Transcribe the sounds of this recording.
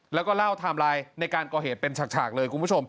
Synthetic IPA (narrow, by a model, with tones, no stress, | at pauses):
lɛː˦˥wkɔː˥˩laː˥˩wt̪ʰaː˧mɾaː˧jna˧jkaː˧nkɔː˨˩ɦeː˨˩t̪̚pe˧nt͡ɕʰa˨˩k̚t͡ɕʰa̰ː˨˩k̚lɤː˧jkʰu˧mʰpu˥˩o˧m